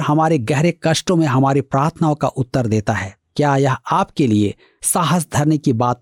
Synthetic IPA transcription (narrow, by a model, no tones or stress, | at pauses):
ɦɐmaːɾeɡɛɦɾekɐʃʈõmẽɦɐmaːɾepɾaːɾt̪ʰnaːõkaʔʊt̪ːəɾd̪eːt̪aɦɛː | kjaːjɐɦaːpkelie | saːɦəs̬d̪ʱɐɾnekibaːt̪̚